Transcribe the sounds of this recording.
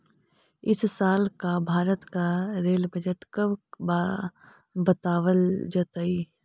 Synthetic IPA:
ɪssaːlkabʱaːɾət̪kaɾeːlbəd͡ʒəʈkəb | bət̪aːʋəld͡ʒət̪əi

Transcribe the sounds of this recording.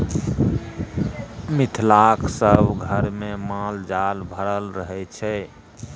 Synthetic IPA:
mit̪ʰlakʰsəbɡʱəɾmemald͡ʒalbʱəɾəlɾəɦɛt͡ʃʰɛ

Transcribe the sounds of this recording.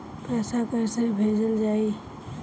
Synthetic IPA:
pɛːsapɛːsaibʱeːd͡ʒəld͡ʒaːi

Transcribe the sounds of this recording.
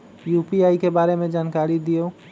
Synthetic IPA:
juːpiaːikebaːɾemẽd͡ʒaːnkaːɾid̪ijoː

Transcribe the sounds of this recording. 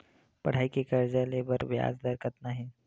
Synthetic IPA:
pəɽ̤aikekəɾd͡zalebəɾbja̰d͡zd̪əɾkət̪naɦi

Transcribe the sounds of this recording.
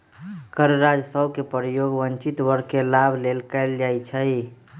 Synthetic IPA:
kəɾɾad͡ʒsəʊkepəɾjoɡbənt͡ʃit̪ʋəɾkelabʱlelkəɪld͡ʒajt͡ʃʰə

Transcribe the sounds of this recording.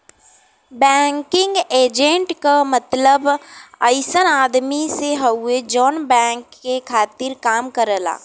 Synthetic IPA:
bɛːŋkɪ̃ŋɡeːd͡ʒẽɳʈkamɐt̪ləbəɪsənaːd̪miseɦɐed͡ʒɔːnbɛ̃ːŋkːekʰaːt̪ɪɾkaːmkəɾəla̰ː

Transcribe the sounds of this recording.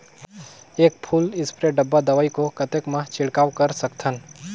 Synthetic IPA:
ek̚pʰulɪspɾeɖəbːad̪əʋajkokət̪ekmãt͡ʃʰɪɭkaʋkəɾsəkt̪ʰən

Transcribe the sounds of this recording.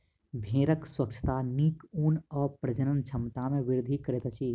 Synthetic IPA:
bʱẽːɾəkswək̚t͡ʃʰə̥t̪anikuːnɔːɾpɾəd͡ʒənənt͡ʃʰəmt̪amẽʋiɾʊd̪ʱikəɾeːt̪t͡ʃʰi

